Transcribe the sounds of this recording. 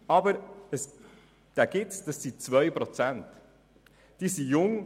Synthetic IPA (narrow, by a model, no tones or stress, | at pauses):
ɑbəɾəs | d̪̥æɡ̥ɪtt͡sd̥ɑsːit͡svœjpɾɔt͡sænt | d̥iːsijʊŋ